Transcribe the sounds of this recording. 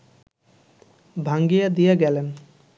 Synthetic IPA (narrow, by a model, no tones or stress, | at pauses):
bʱaŋɡijad̪ijaɡɛlen